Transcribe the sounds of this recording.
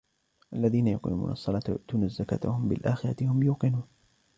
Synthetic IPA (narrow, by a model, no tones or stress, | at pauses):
ʔalːaðiːnajʊqɪ̰mṵːnʔɑsˤːɑlɑːt̪jʊ̰ʔt̪uːnazːaka̰ːt̪ahʊmbɪ̰lʔaːxɪɾˤɑt̪ɪhʊmjuːqɪnuːn